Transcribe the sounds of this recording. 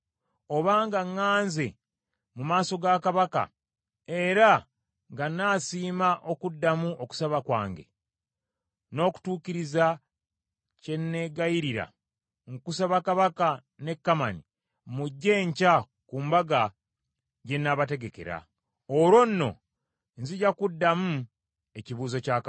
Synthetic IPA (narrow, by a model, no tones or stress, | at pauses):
o̞βaːŋɡaŋːaːnze | mumaːso̞ɡakaβaka̰ | e̞ɾa | ŋɡanːaːsiːmaʔo̞kudːamuʔo̞ku̥saβakwa̰ːŋɡe̞̰ | no̞ːku̥tuːciɾiza | ce̞nːe̞ɡaiɾiɾa̰ | ŋkusaβakaβaka | ne̞kːamani | muɟːe̞ːɲca | kuːmbaɡa | ɟe̞nːaβate̞ɡe̞ke̞̰ɾa̰ | oɾwo̞nːo̞̰ | nziɟakudːamu | e̞ciβuːzo̞caːk